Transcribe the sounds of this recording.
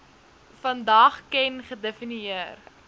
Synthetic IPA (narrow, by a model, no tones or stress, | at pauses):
fɐndɐχkɛnχədefiniir